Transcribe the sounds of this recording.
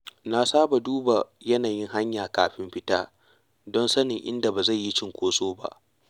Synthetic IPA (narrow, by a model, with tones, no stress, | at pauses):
na˨saː˦ba˨duː˦ba˨jɐ˦naː˨jɪ˦ŋɦa˦ɲjaː˨kaː˨ɸɪ˦mɸɪ˦taː˦ | dɔ˦nsɐ˦nɪ˨ŋʔɪ̰˦nda˨ba˨za˦˨jːi˦t͡ʃɪ˦˨ŋkʷoː˦sʼoː˦ba̰˦ʔ